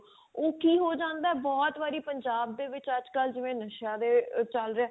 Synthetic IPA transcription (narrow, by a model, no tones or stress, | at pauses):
oːkiːɦoːd͡ʒãːnd̪aːɛːbɔːt̪ʋaːɾiːpəɲd͡ʒaːb̚d̪eːʋɪt͡ʃəd͡ʒkəld͡ʒɪʋẽːnəʃjãːd̪eːt͡ʃəlɾeɛː